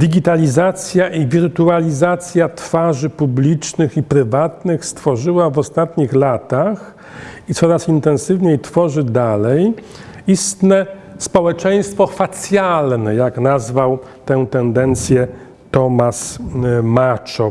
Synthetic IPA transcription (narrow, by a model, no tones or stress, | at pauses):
d̪iɡʲit̪alʲizat̪sʲjaʔivʲiɾt̪ualʲizat̪sʲjat̪faʐɘpublʲit͡ʂnɘxipɾɘvat̪nɘxst̪fɔʐɘwavɔst̪at̪ɲixlat̪ax | it̪sɔɾasint̪ɛnsɘvɲejt̪fɔʐɘd̪alɛj | ist̪nɛ | spɔwɛt͡ʂɛj̃st̪fɔfat̪sʲjalnɛjaknazvaw | t̪ɛw̃t̪ɛnd̪ɛnt̪sʲjɛ | t̪ɔmasmat͡ʂɔ